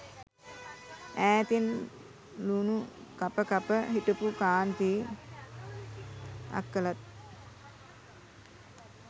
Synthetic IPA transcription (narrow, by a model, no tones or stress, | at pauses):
æːt̪in | lunukapəkapəɦiʈupukaːnt̪iː | a̰kːəlat̪̚